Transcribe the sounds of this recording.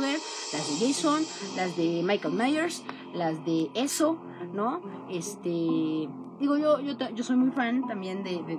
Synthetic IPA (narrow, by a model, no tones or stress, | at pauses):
ðeɾlazðeʝejsonlazðemajkalmajeɾs | lazðeeso̞ | no̞est̪e | d̪iɣo̞ʝo̞ʝot̪aʝo̞so̞jmujfãnt̪ambje̞nd̪eðe